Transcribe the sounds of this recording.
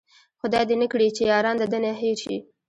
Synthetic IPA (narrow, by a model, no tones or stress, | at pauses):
xʊd̪ɑjd̪enəkɽit͡ʃejɑɾɑnd̪əd̪ənaɦeɾʃḭ